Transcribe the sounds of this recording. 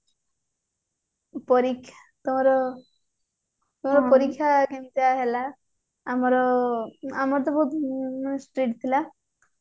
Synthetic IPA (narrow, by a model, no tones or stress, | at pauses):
pɔɾikʰ | t̪umɔɾɔ | t̪umɔɾɔpɔɾikʰːakemit̪aɦelaː | mɔɾɔ | amɔɾɔt̪̬ɔbʱɔɦut̪sʈɾiʈt̪ʰila